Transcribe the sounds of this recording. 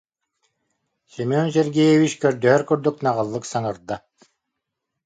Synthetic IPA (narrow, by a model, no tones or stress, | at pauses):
simɔns̬ɛɾɡɛjɛvit͡ʃkœɾd̪œɦœɾkyɾd̪yknaʁɯlˠːɯksaŋɯɾd̪a